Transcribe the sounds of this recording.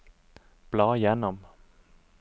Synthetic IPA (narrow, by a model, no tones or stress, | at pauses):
b̥lɑːjɛnɔm